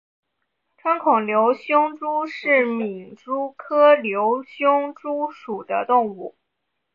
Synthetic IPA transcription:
ʈ͡ʂʰwa˥nkʰʊ˨˩ŋljo˧˥ʊɕjʊ˥ŋʈ͡ʂu˥ʂɻ̩˥˩mi˨˩nʈ͡ʂu˥kʰɤ˥ljo˧˥ʊɕjʊ˥ŋʈ͡ʂu˥ʂu˨˩d̪ə˦t̪ʊ˥˧ŋu˥˩

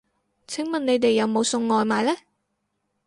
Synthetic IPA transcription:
t͡sʰɪ˨˥ŋmɐ˨ne˨˧jt̪e˨jːɐ˨˧wmo˨˧wsʊ˧ŋːɔː˨jmaː˨jlɛː˥

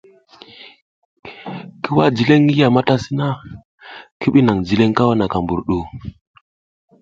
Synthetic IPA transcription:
ki˦wa˦d͡ʒi˨le˦ŋi˦ja˨ma˦ta˦si˦na˦ | ki˦ɓi˦na˨ŋd͡ʒi˨le˦ŋka˦wa˦na˨ka˨mbu˨ɾɗu˦˨

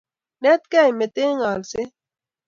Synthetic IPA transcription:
nɛ˦t̪kɛ˦jme˨t̪eː˦ŋaː˨lse˦

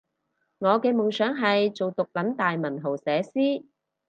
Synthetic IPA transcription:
ŋɔː˨˧kɛː˧mʊ˨˩ŋsœː˨˥ŋɦɐ˨jt͡so˨wt̪ʊ˨k̚lɐ˨˥nt̪aː˨jmɐ˨˩nɦo˨˩wsɛː˨˧siː˥

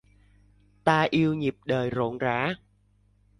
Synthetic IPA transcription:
t̪aː˧ʔi˧əwɲi˨˩p̚ɗəː˨˩jzo̰˧˨nza̰ː˧˥

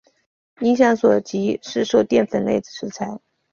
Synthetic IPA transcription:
i˧˥ŋɕ̬jɑ˥˩ŋswɔ˨˩t͡ɕi˧˥ʂɻ̩˥˧ʂo˥˧ʊt̪jɛ˥˩nfə˨˩nle˥˩ɪd̩˨˩ʂʰɻ̩˧˥t͡sʰa˧˥ɪ

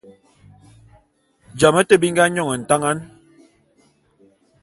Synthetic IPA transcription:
d͡ʒa˨mə˦tə˦bi˦ŋ˦ɡa˦ɲɔ˦˨ŋə˨n̩˨ta˦ŋa˦n

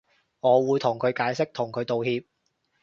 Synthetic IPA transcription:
ŋɔː˨˧wuː˨˧jt̪ʰʊ˨˩ŋkʰɵ˨˧ɥkaː˨˧jsɪ˥k̚t̪ʰʊ˨˩ŋkʰɵ˨˧ɥt̪o˨whiː˧p̚

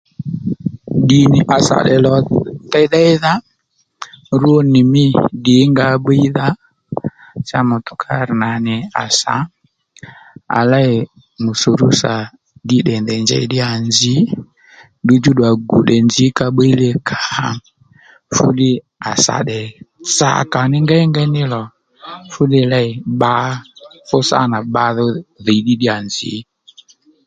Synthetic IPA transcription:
ɗi˨nɪ˨ʔa˨sa̰˨ɗɛ˨lɔ˨tɛ˦ða˦ɪ˦ða˦ | ɾu˦o˦nɪ˨mɪ˦dɪ˨˦ŋɡa˦ɓe˦i˦ða˦ | t͡ʃa˦mʊ˨tɔ̥˨kʰa˦ɾna˨nɪ˨a̰˨sa̰˨˦ | a̰˨la˦ɪ˨ | mu˨so˨ɾu˦sa˨ | dɪ˦ɗɛ˨ndɛ˨nd͡ʒɛ̰˨i˦ɗɪ˦a˨nd͡ʒɪ˨˦ | du˦d͡ʒu˦ɗwa˨ɡu˨ɗɛ˨nzi˨˦ka˨ɓe˦i˦lɛ˦kʰḁ˨ | fṵ˦ɗɪ˦ | a˨sa̰˨ɗɛ˨t͡sa̰˨ka˨nɪ˦ŋɡa˦ɛ˦ŋɡɛ˦nɪ˦lɔ˨ | fu˦ɗɪ˦la˦ɪ˨ɓa˦fʊ˦sa̰˦˨na˨ɓa˨˦ðɔ˦ði˨i˨ɗi˦ɗɪ˦a˨nzɪ̰˨˦

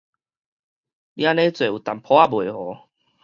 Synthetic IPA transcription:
lja˦nẽ˦t͡swe˨˩˨u˨˩t̪a˨˩mpʰɔ˦a˦bwe˨˩hɔ˨˦

